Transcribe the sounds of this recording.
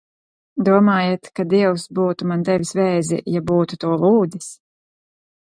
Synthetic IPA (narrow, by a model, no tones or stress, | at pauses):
d̪uɔmaːjet̪kad̪iɛwsbuːt̪umant̪ɛvʲisvɛːjzḭjabuːt̪ut̪uɔlˠuːd̪is